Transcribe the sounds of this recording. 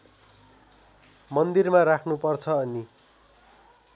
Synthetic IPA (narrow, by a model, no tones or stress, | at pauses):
mʌnd̪irmarakʰnupʌrt͡sʰʌːni